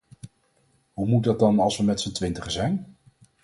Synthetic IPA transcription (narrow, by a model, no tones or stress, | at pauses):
ɦumut̚dɑt̚dɑnɑlˠsʋəmɛtsəntʋɪntəχəzɛjn